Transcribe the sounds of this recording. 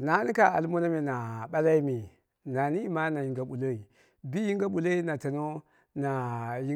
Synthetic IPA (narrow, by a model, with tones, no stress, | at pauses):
na˦ni˦ka˨a˨lmo˦na˦mi˨na˨ɓa˦la˦i˦mi˨ | na˨ni˦ma˦na˨ji˨ŋɡa˨ɓu˨lo˦i˨ | bi˦ji˦ŋɡa˦ɓu˨lo˦i˦na˨ta˨no˦ | na˨ji˦